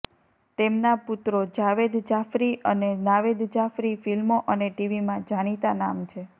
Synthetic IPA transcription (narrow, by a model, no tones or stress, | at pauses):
t̪emnaput̪ɾod͡ʒaʋed̪d͡ʒafɾiʔənenaʋed̪d͡ʒafɾifilmoʔəneʈiʋimãd͡ʒaɽ̃it̪anamt͡ʃʰe